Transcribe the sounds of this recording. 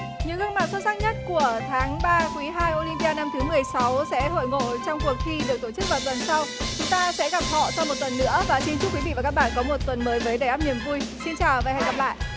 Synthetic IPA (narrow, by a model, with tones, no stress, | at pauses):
ɲɨ̰˧˥ŋɣɨ˧ənma˨˩t̚sə˦˥t̚saː˦˥k̚ɲə˦˥t̚ku˧˩ət̪ʰaː˨˦ŋɓaː˧kwi˨˦ɦaː˧jʔo˧li˧mpi˧aː˧na˧mt̪ʰɨ˨˦mɨ˨˩əjsa˨˦wsɛ̰˧˥ɦo̰˧˨jŋo̰˧˨t͡ɕɔ˧wŋ͡mku˨˩ək̚xi˧ɗɨ˨˩ək̚t̪o˧˩t͡ɕɨ˦˥k̚vaː˨˩wt̪wə˨˩nsa˧wt͡ɕʊ˨˦ŋ͡mt̪aː˧sɛ̰˧˥ɣa˨˩p̚hɔ̰˧˨sa˧wmo˨˩t̚t̪wə˨˩nːɨ̰˧˥əvaː˨˩si˧nt͡ɕʊ˦˥p̚kwi˨˦vḭ˧˨vaː˨˩kaː˦˥k̚ɓa̰ː˧˨kɔ˨˦mo˨˩t̚t̪wə˨˩nməː˨˦jvəː˨˦jɗə˨˩jʔaː˦˥p̚ni˧˨əmvu˧jsi˧nt͡ɕaː˨˩wva̰ː˨˧˨jha˧˩jɣa˨˩p̚la̰ː˧˨jʔ